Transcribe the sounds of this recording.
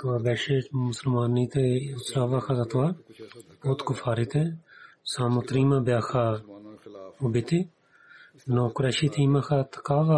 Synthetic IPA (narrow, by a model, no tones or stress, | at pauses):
t̪ʊaːbɛːʃeːmʊsəlmaːnːiːt̪eʊsɾaːʋaːxʰazat̪ʊaːpoːt̪kʊfʰaːɾit̪esaːmut̪ɾiːmãːbjaːxʰaː | ʊbɪt̪i | nõːkʊɾɛːʃiːt̪ʰiːmãːxʰat̪ʰə̥kaːʋa